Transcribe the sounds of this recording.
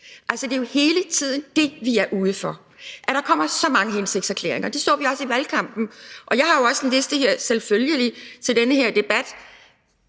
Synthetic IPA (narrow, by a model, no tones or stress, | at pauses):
ʔælsəd̥e̝jo̝he̝ːlət͡sʰið̞̰ˠn̩d̥e̝ʋiæɐʔuːð̞ˠəfɒ | ʔæɾ̥ɑ̈kʰɒ̽m̰ɐsɒ̽mɑ̈ŋəɦense̝ɡ̥̚sæɐkʰlḛːɐeŋɐd̥e̝sd̥ɔ̰ːʋiɒ̽siʋælkʰɑ̈m̰b̥n̩ʔɒ̽jɑ̈ɪhɑ̈jo̝ɒ̽səd̥enle̝sd̥əheɐ̰selføljəlit͡sʰe̝ld̥enəɦeɐ̰d̥e̝b̥æd̥